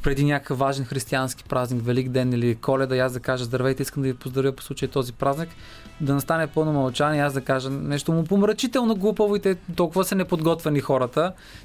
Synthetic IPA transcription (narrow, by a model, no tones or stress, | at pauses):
pɾɛd̪inʲakə̥kəfːaʒɛnxɾist̪ianski̥pɾʔaznikvɛlikd̪ɛnilikʰɔlɛd̪ɐiasd̪ɐkaʒəzd̪ɐɾvɛt̪ɛiskəmd̪ɐvipozd̪ɾɐvjəpo̥slˠut͡ʃəjit̪ɔzipɾaznik | d̪ɐnɐst̪anɛpɤlˠnomɐlˠt͡ʃaniazd̪ɐkaʒənɛʃt̪omʊpomɾɐt͡ʃit̪ɛlˠnoɡlˠupəvoit̪ɛt̪ɔlˠkʊvəsɐnɛpod̪ɡɔt̪vɛnixɔɾət̪ə